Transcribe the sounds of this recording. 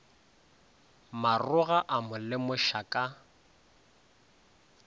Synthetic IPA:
marʊɣaʔamʊlɪmʊʃakʼa

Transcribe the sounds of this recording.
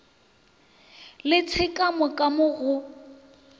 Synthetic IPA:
lɪt͡sʰɪkʼamʊkʼamʊɣʊ

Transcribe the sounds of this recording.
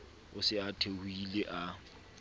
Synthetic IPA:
ʊsɪatʰehuileʔa

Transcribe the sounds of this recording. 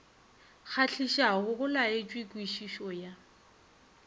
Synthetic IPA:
k͡xʰaɬʰiʃaɣʊɣʊlaet͡ʃʼwikʼwiʃiʃɔja

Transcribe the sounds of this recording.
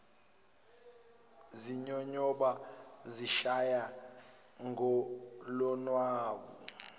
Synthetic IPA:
ziɲɔɲɔɓaziʃaja | ŋɡɔlɔnwaːɓu

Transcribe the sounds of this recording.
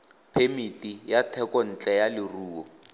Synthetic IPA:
pʰemitʼijatʰɛkɔn̩t͡ɬʼɛjalɪruːɔ

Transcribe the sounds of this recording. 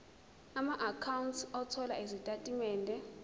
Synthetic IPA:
amaʔakʰawuntsɔtʰɔla̰izitʼatʼimɛːndʱɛ

